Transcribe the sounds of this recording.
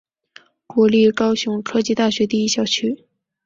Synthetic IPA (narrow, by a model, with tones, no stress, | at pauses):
kwɔ˧˥li˥˩kɑ˥ʊɕjʊ˧˥ŋʈ͡ʂʰɤ˥t͡ɕi˥˧t̪a˥˩ɕɥɛ˧˥t̪i˥˧i˥ɕjɑ˥˩ʊt͡ɕʰy˥